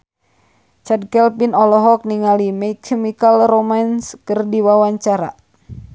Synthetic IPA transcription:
t͡ʃad̚kɛlpinɔlɔɦɔk̚niŋalimɛikʰːɛmikalromanskərdiwawaɲt͡ʃaɾa̰

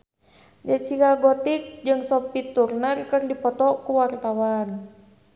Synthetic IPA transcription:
d͡ʒat͡ʃikaɡɔt̪ik̚d͡ʒɨŋsɔpit̪urnərkərdipɔt̪ɔkuwart̪awan

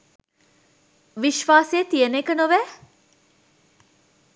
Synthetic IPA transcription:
ʋiʃʋaːseet̪ijənekənoʋæ

